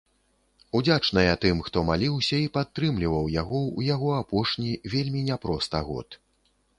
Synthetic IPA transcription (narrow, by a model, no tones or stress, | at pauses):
ud͡zʲat͡ʂnɐjɐt̪ɨmxt̪ɔmalʲiwsʲɐipat̪ːɾɨmlʲivɐwjaɣɔujaɣɔapɔʂnʲivʲelʲmʲinʲapɾɔst̪ɐɣɔ̰t̪